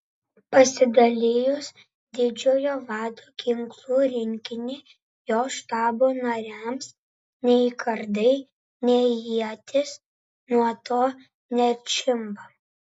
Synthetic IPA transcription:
pɐsʲɪd̪ɐlʲɪjʊs | d̪ʲɪd͡ʒʲoːjoːʋɑːd̪oːkʲɪŋklˠuːɾʲɪŋʲkʲɪnʲɪ | joːʃt̪ɑːboːnɐɾʲæms | nʲɛɪkʰɐɾd̪ɐɪ | nʲɛɪjiɛt̪ʲɪs | nuɔt̪oː | nʲɛɾʲt͡ʃʲɪmbɐ

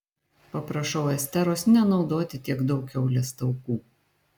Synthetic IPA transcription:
pɐpɾɐʃɒʊɛsʲt̪ʲɛɾoːsnʲɛnɒʊd̪oːt̪ʲɪt̪ʲiɛɡd̪ɒʊkʲɛʊlʲɛst̪ɐʊkuː

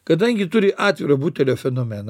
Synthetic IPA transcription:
kɐd̪ɐŋʲɡʲɪt̪ʊɾʲɪʔɑːt̪ʲʋʲiɾɐbuːt̪ʲɛlʲoːfʲɛnoːmʲɛn

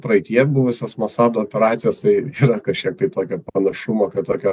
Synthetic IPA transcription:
pɾɐɪt̪ʲɪjɛbʊʋʊsʲɛsmɐsɑːd̪oːɔpʲɛɾɑːt̪sʲɪjɛst̪ɐɪiːɾɐkɐʃʲkʲiɛk̚t̪ɐɪt̪oːkʲoːpɐnɐʃʊmoːkɐt̪oːkʲoː

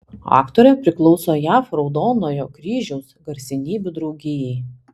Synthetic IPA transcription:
ɑ̰ːkt̪oːɾʲɛpʲɾʲɪklˠɔʊsoːjæːfɾɒʊd̪oːnoːjoːkɾʲiːʒʲɛʊsɡɐɾʲsʲɪnʲiːbʲʊd̪ɾɒʊɡʲɪjɛɪ

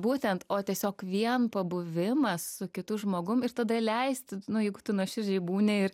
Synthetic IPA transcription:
buːt̪ʲɛnt̪oːt̪ʲiɛsʲoːkʋʲiɛnpɐbʊʋʲɪmɐssʊkʲɪt̪ʊʒmoːɡʊmɪɾt̪ɐd̪ɐlʲɛɪst̪nʊjɛɪɡʊt̪ʊnuɔʃʲɪrʲd͡ʒʲɛɪbuːnʲeɪr

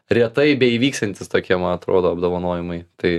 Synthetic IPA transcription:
ɾʲiɛt̪ɐɪbʲɛiːʋʲiːkst̪ɐnʲt̪ʲɪst̪oːkʲiɛmɐnɐt̪ɾoːd̪oːɐbd̪oːʋɐnoːjɪmɐɪt̪ɐɪ

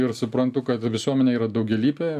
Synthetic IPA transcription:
ɪrsʊpɾɐnt̪ʊkɐt̪ʋʲɪsuɔmʲɛnʲɛːiːɾɐd̪ɐʊɡʲɛlʲiːpʲeː

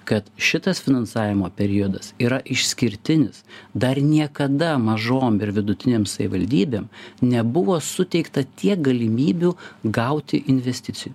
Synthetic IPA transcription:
kɐt̪ʃʲɪt̪ɐsfʲɪnɐnsɑːʋʲɪmoːpʲɛɾʲɪɔd̪ɐsiːɾɐʔɪʃʲsʲkʲɪɾʲt̪ʲɪnʲɪsd̪ɐrnʲiɛkɐd̪ɐmɐʒoːmɪɾʋʲɪd̪ʊt̪ʲɪnʲeːmsɐʋʲɪʋɐlʲd̪ʲiːbʲeːmnʲɛbʊʋoːsʊt̪ʲɛɪkt̪ɐt̪ʲiɛk̚ɡɐlʲɪmʲiːbʲuɡɐʊt̪ʲɪʔɪnʲʋʲɛsʲt̪ʲɪtsʲɪjʊ

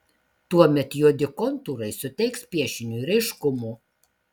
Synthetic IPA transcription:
t̪uɔmʲɛt̪joːd̪ʲɪkɔnt̪uːɾɐɪsʊt̪ʲɛɪkspʲiɛʃʲɪnʲuːɪɾɛɪʃkʊmuː

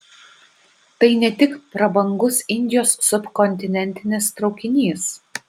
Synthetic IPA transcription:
t̪ɐɪnʲɛt̪ʲɪkpɾɐbɐŋɡʊsɪnʲd̪ʲɪjoːsːʊpkɔnʲt̪ʲɪnʲɛnʲt̪ʲɪnʲɪst̪ɾɒʊkʲɪnʲiːs

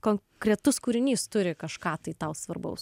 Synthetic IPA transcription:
koːŋ | kɾʲɛt̪ʊskuːɾʲɪnʲiːst̪ʊɾʲɪkɐʃkɑːt̪ɐɪt̪ɐʊsʋɐrbɐ̰ʊs

